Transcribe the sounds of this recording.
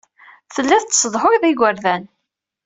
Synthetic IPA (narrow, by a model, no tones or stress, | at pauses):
θəlːæθt͡sːsəðˤħʊjðɪɡʷəɾðæn